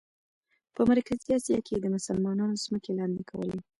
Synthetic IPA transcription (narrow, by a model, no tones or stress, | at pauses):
pəmaɾkaziɑsijɑked̪əmʊsəlmɑnɑnoz̥məkelɑnd̪ekʰawə̰le